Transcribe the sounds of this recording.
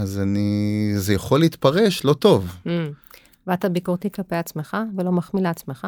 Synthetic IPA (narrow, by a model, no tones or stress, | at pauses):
azanizejaχo̞lːiiːt̪paʁe̞ʃlo̞t̪o̞v̩ | veat̪abikuʁt̪iklape̞jat͡smeχavelo̞maχmileat͡smeχa